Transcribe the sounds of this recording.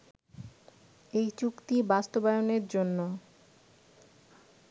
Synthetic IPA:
ejt͡ɕukt̪ibast̪obajoneɾd͡ʑonːo

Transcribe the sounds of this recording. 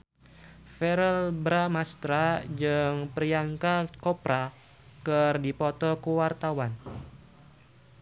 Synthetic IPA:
fɛɾəlbɾamast̪ɾad͡ʒɨŋpəriaŋkakɔpɾa | kɨrdipɔt̪ɔkuwart̪awan

